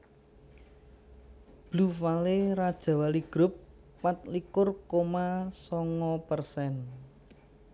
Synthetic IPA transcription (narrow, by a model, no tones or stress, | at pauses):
b̥lufaleɾad̥ʒ̥ä̤waliɡ̥ɾʊp̚ː | at̪̚likʊrkomasɔŋɔpərsɛn